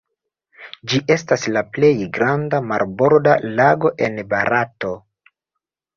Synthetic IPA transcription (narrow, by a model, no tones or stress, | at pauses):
d͡ʒiʔe̞staslaple̞jɡɾandamaɾbo̞ɾdalaɡo̞ʔe̞nbaɾato̞